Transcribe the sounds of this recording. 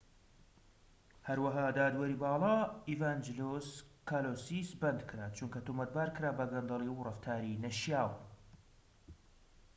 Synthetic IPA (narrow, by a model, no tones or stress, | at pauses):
hɐɾwɐɦaːd̪aːd̪wɐɾibɑːlˠɑːivaːnd͡ʒloskʰaːloːsisbɐnd̪kʰɨɾaːt͡ʃuŋkɐt̪umɐt̪̚baːɾkɨɾaːbɐɡɐnd̪ɑlˠirɨft̪ʰaːɾinɐʃjaːw